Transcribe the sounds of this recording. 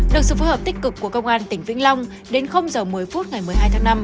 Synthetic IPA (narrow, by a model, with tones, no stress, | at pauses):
ɗɨ˨˩ək̚sɨ̰˧˨˩fo˨˦həː˨˩p̚t̪ï˦˥k̟̚kɨ˨˩kːu˧˩əkə˧wŋ͡mʔaː˧nt̪ï˧˩ŋ̟vḭ˧˥ŋla˧wŋ͡m | ɗe˨˦nxə˧wŋ͡mzəː˨˩mɨ˨˩əjfu˦˥t̚ŋa˨˩jmɨ˨˩əjɦaː˧jt̪ʰaː˨˦ŋna˧m